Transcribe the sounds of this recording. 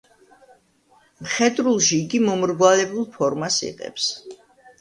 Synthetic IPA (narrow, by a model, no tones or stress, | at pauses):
mχɛd̪ɾulˠʃiːɡimɔmɾɡwalɛbulˠpʰɔɾmasḭqʼɛ̰ps